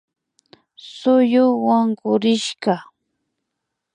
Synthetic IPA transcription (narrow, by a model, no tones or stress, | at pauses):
sʊjʊwaŋɢʊɾɪʃɢɑ